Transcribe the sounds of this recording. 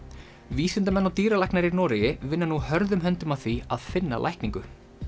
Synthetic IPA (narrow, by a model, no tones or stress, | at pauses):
viːsɪnt̪amɛnːawt̪iːɾalajknaɾiɾnɔːɾɪjɪvɪnːanuhœɾðʏmɦɛnt̪ʏmaθviaðfɪnːa̰lʔa̰jhkniŋkʏ